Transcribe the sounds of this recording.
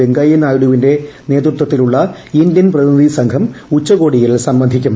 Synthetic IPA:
eŋɡaːjɐnaːjuɽuʋinde̞ne̞ːt̪rut̪wɐt̪ːiluɭːɐindjɐnprɐðiniðisɐŋkʰɐmut͡ɕːɐɣo̞ːɽijilsɐmbɐnd̪ʱikʲːumː

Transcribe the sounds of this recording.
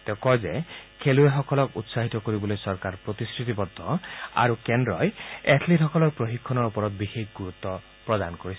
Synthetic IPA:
t̪ekɔjd͡ʒekʰelueɦɔkɔlɔkut̪saɦit̪ɔkoɾibɔlojsɔɾkaɾpɾot̪iskɾit̪ipɔd̪ʱːɔa̰ɾukendɾɔjetʰliʈɦɔkɔlɔɾpɾoɦikʰːɔnɔɾupɔɾɔt̪̚bixekʰɡuɾut̪ːɔ | pɾɔd̪anɔkoɾisʰi̥

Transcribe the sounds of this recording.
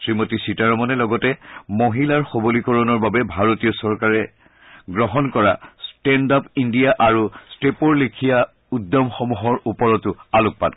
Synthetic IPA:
sɹimotisitaɹɔmɔnɛlɔɡɔtɛmoɦilaɹxobolikɔɹɔnɔɹbabɛbʱaɹotijɔsɔɹkaɹɛ | ɡɹɔɦɔnkɔɹastɛndapindijaʔaɹustepɔɹlekʰija | udːɔmxɔmuɦɔɹupɔɹɔtʊalʊk̚pa̰n

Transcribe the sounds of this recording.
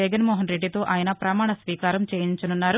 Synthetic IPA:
ɛɡɐnmoːɦɐnɾeɖːit̪o̞ːʔaːjɐnɐpɾɐmaːɳɐsʋiːkaːɾɐmt͡ʃeːjiɲt͡ʃɐnunːaːɾu

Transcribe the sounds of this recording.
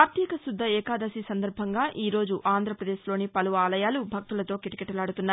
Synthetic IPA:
ɐɾt̪jɛːkɐsud̪ʱːɐɛːkaːd̪ɐsisɐnd̪ɐɾbʱɐŋɡaːʔiːɾo̞ːd͡ʒuʔaːnd̪ɾɐpɾɐd̪eːʃlo̞ːnipɐluʋɐaːlɐjaːlubʱɐk̚t̪ulɐt̪o̞ːkiʈi̥kɛʈːɐlaːɽut̪unːaː

